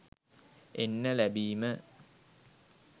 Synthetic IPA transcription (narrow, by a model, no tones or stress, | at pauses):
enːəlæbiːmə